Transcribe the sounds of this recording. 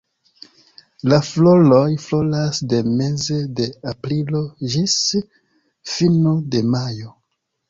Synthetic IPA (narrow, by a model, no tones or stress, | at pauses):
laflo̞lo̞jflo̞lasde̞me̞zede̞apɾilo̞ʒis | finode̞majo̞